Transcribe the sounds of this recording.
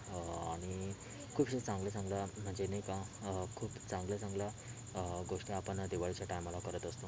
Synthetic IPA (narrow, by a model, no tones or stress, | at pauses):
aɽ̃i | kʰuːpɕet͡sãŋɡləsãŋɡlam̤əɳd͡zenajkakʰuːbt͡sãŋɡləsãŋɡla | ɡoʂʈiapəɳd̪iʋaɭit͡ɕjaʈajməlakəɾət̪əst̪o